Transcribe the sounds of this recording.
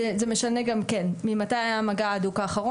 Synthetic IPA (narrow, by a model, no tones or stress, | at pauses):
ezeme̞ʃaneɡamkenmimatajajamaɡaːd̪ukaːχaʁo